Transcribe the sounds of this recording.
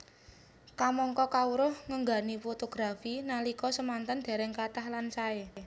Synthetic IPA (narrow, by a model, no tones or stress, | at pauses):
kamɔŋkɔkauɾʊhŋəŋɡa̤nifot̪oɡ̥ɾafinalikɔsəmant̪ənd̪̥a̤ɾɛŋkat̪ahlansae